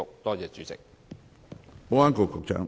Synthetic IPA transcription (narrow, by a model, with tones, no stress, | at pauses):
ʊ˨k̚t̪ɔː˥t͡sɛː˨˩t͡ʃyː˨˥t͡sɪ̰˨k̚ | o˥aː˥nko˨kʊ˨k̚t͡ʃœ̰ː˨˥ŋ